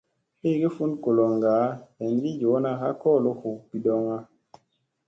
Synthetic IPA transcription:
he˦˨ɡe˦fu˦nko˨lo˨ŋɡaː˨˦e˨nɡi˦d͡ʒo˨˦na˦xa˦kɔ˦˨lo˦xu˨pi˨dɔ˦ŋa˦

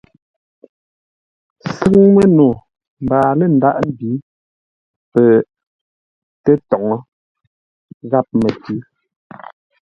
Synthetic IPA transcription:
sʉ˦ŋmɛ˦no˨ | m˨baː˨lɛ˦˨n̩˨da˦ʔm˦˨bi˨˦ | pɛ˨ | tɛ˦tɔ˨ŋɔ˦ | ɣa˦˨p̚me˨tʉ˦

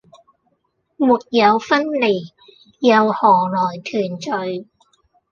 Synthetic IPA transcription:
muː˨˩t̚jɐ˨˧wfɐ˥nli˨˩ | jɐ˨˧whɔː˨˩lɔː˨˩jt̪ʰyː˨˩nt͡ʃɵ˨˧ɥ

